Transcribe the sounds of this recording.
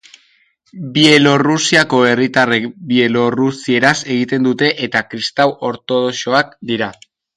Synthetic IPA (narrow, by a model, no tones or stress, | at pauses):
bielo̞rusiako̞e̞rit̪arebie̞lo̞rusie̞ɾase̞ɣit̪e̞nd̪ut̪e̞ʔet̪akɾist̪awʔo̞ɾt̪o̞ð̞o̞ʃo̞ak̚d̪iɾa